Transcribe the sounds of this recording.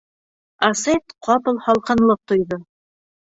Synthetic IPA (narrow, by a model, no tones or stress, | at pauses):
ɐset̪qʰɑpɤ̆lˠhɑlˠqɑ̆nlˠɤp̚t̪ŏjðo